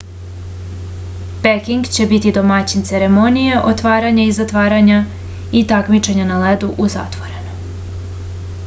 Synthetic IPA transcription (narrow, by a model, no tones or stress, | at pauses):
pekiŋɡt͡ɕe̞bit̪id̪o̞mat͡ɕint̪seɾe̞monijeʔo̞t̪ʋaːɾaɲaizat̪ʋaːɾaɲa | it̪akmit͡ʃe̞ɲanaled̪uʔuza̰t̪ʋo̞ɾe̞no